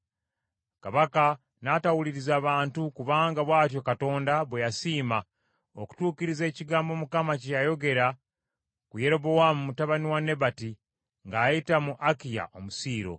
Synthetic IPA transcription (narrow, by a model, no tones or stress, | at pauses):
kaβaka | natawuliɾizaːβaːntukuβaːŋɡaβwaːt̬jo̞kato̞ːndaβwejasiːma | oku̥tuːkiɾize̞ːciɡaːmbo̞mukamacejajo̞ɡe̞ɾa | kuje̞ɾo̞βo̞wamumutaβaniwane̞bati | ŋɡaːjitamuʔakija̰ʔo̞musiːɾo̞̰